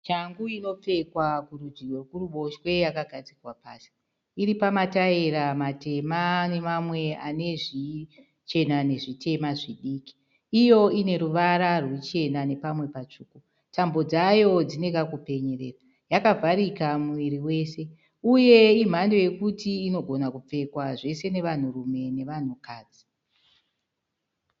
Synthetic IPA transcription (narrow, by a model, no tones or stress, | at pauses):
t͡ʃaŋɡuino̞p͡fe̞kwakurud͡ʒiwekuruɓo̞ʃwe̞jakaɡʱad͡zirwapaːsi̥ | iɾipamataeɾamate̞mane̞mamwe̞ane̞ʐi | t͡ʃe̞nane̞ʐitʰe̞maʐiɗiːki̥ | ijo̞ine̞ɾuʋaɾarwet͡ʃe̞nane̞pamwe̞pat͡ʂuːku | tambo̞d͡zajo̞d͡zine̞kakupe̞ɲerḛːra | jakavʱaɾikamuʋiɾiwe̞ːse̞ | uje̞im̤ando̞je̞kutiːno̞ɡʱo̞nakup͡fe̞kwaʐe̞se̞ne̞ʋan̤urume̞ne̞ʋan̤ukaːd͡zi̥